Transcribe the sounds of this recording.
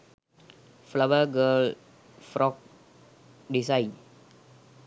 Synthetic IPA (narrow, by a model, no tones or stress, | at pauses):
flabəɡəl | fɾɔk̚ | disaj